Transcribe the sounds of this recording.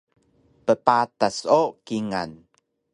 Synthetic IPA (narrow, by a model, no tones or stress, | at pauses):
pəpatasokiŋa̰n